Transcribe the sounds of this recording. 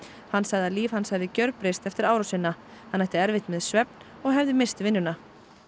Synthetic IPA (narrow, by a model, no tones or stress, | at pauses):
hanːsaɣðaliːv̥hanshɛjvðɪcœɾpɾɪst̪ɛft̪ɪɾaːwɾasɪnːa | hanːɛht̪ɪɛɾvɪht̪mɛðsvɛp̚n̥ | ɔɣɦɛvðɪmɪst̪ɪvɪnːʏna